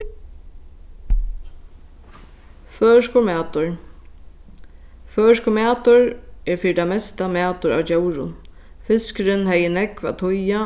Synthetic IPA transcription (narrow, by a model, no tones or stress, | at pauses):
fœːʂkʊɾmæːt̪ʊɹ | fœːʃkʊmæːt̪ʊɹɛːɾfiːɾɪt̪amɛst̪amæːt̪ʊɾa̰ːwd͡ʒɛwɾʊ̰n | fɪskɾɪnɦɛjənɛkʋa̰t̪ʰʊja